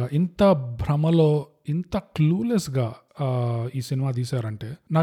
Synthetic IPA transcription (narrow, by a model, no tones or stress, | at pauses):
ʔint̪ɐbʱɾɐmɐlo̞ː | int̪ɐkluːlesɡaː | iːsinimaːt̪̬iːsaːɾɐɳʈe̞ːnaː